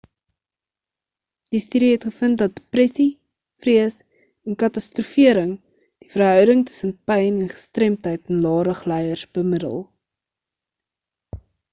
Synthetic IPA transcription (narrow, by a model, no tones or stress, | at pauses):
d̥istiɾiɦɛtχəfəntdɐt̚deprɛsi | friəs | ɛnkɐtɐstrufiəɾəŋ | d̥ifərɦœwdəŋtə̥sənpɛjnɛnχə̥strɛmtɦəjtɛnlɑːɾəχlɛjərsbəmədə̰lˠ